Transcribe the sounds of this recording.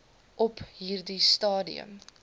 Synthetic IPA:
ʔɔpɦiːrdistɑːdḭə̰m

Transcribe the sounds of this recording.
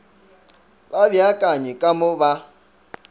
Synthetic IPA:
babjakʼaɲɪkʼamʊba

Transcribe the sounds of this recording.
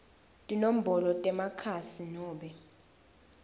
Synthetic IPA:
tʼinom̩bʱɔlɔtʼɛmakʰasinɔːɓɛ

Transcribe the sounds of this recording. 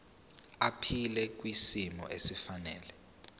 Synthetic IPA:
apʰilɛk̬wisimɔ̰ʔesifanɛːlɛ

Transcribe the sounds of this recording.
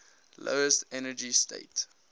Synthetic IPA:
lʔo̰ʊəstɛnəd͡ʒistḛɪt

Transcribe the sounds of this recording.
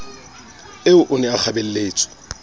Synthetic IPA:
ɪʊʔʊnɛak͡xʰabel̩leːt͡sʼɪ̥

